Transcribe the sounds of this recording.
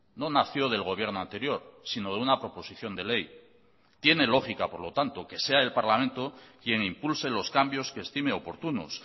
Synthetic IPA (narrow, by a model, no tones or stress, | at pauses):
no̞naθjo̞ð̞e̞lɣo̞β̞je̞ɾno̞ant̪e̞ɾjo̞ɾsino̞ðeunapɾo̞po̞siθjo̞nd̪e̞le̞j | t̪je̞ne̞lo̞xikapoɾlo̞t̪ant̪o̞ke̞se̞ae̞lpaɾlamẽ̞nt̪okje̞ŋimpulselo̞skambjo̞skeːst̪ime̞o̞po̞ɾt̪uno̰s